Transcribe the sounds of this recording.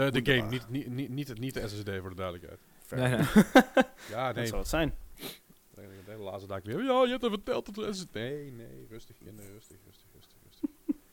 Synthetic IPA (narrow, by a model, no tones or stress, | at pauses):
ədəɡejmnitininitənit̚dəɛsɛsdeːvoːɹdədœɹdələkhɛ̰jt | fɛ | janeətsɛjn | ɛkdɛəla̰ːsədakʋɪəjojəɛp̚təvərtɛlˠt̚ɔtəɛsneneːrøstəxnerøstəxrøstəxrøstərøstəx